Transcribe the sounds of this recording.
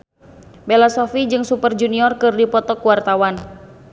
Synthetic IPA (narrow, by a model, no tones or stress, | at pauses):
bɛlasɔfid͡ʒɨŋsupərd͡ʒuniɔrkɨrdipɔt̪ɔkuwart̪awan